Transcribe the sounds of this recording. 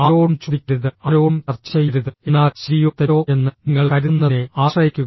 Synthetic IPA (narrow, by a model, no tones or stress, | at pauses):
aoːɐmt͡ɕuðikʲːiɾuðɨɐɾoːmt͡ɕɐrt͡ɕːɐjiɾuðɨe̞nːaːɕɾijot̪ːɐjoːe̞nːɨniŋːɐɭkɐɾunːɐneaːʂrɐjikʲːuɣɐ